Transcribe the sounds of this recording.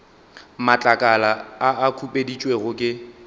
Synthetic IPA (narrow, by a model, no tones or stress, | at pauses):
mat͡ɬʼakʼalaaʔːkʰupʼedit͡ʃʼweɣʊkʼɪ